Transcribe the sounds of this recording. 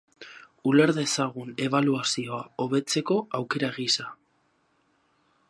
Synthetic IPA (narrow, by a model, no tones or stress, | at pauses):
ule̞ɾðe̞saɣ̞une̞βaluasio̞ao̞βe̞t͡se̞ko̞awke̞ɾaɣisa